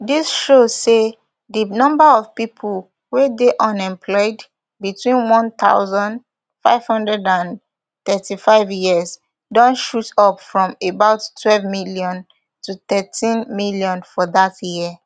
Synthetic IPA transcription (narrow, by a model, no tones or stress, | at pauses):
disʃoz̥se | dinɔ̃mbaɔvpipʰul | wedeʔɔ̃nɛ̃mpʰlɔɪd | bitwĩnwɔ̃nt̪a̰ʊzɔ̃nd | faɪv̥hɔ̃ndɹɛdãn | t̪ɛtifaɪvjiəz | dɔ̃nʃutɔpfɹɔ̃mebaʊtːʰwɛlvmiljɔ̃n | tʰut̪ɛtʰĩnmiljɔ̃nfɔðatji